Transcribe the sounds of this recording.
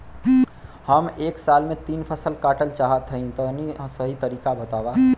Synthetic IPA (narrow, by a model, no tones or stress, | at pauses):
həmeːksalmẽt̪iːnpʰəsəlkaːʈəlt͡ʃaɦət̪ʰəĩt̪ɔnĩsəɦit̪əɾiːkabət̪aba